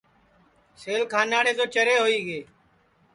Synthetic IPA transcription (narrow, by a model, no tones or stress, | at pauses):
seːlkʰaːnaːɽeːd͡ʒoːt͡ʃəɾeːɦoːiːɠeː